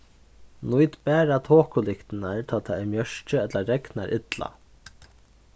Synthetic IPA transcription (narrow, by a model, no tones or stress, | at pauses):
nujt̪bæːɾat̪ʰoːkʊlɪkt̪ɪnaɹt̪ʰaːt̪ʰaɛɾmjœʂt͡ʃəɛt̪laɾɛkna̰ɾʔɪt̪la̰